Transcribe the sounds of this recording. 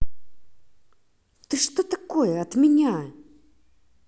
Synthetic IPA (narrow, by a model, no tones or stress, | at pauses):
t̪ɨʂt̪ot̪ɐkojəɐt̪mʲɪnʲa